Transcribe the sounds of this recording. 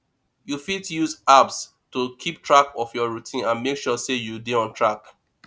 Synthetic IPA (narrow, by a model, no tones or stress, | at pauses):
jufitjuzaps | tukʰip̚tɹakɔfjɔɹutʰĩnãnmekʃɔsejudeɔ̃ntʰɹak